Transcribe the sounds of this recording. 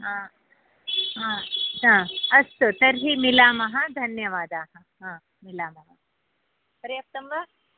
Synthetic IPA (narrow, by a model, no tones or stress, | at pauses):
ɦãː | ɦãːt̪ãːɐst̪ot̪ɐɾɦimɪlaːmɐɦɐ̃d̪ʱɐnjɐʋaːd̪aːɦɐ̃ | ɦãː | mɪlaːmɐɦɐ | pɐɾeɐp̚t̪ɐmʋa